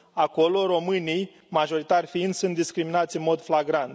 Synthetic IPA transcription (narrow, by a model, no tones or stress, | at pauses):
ako̞lo̞ɾo̞mɨnij | maʒo̞ɾit̪arʲfiɨnd̪sunt̪d̪iskɾiminat̪sʲɨnmo̞d̪flaɡɾant̪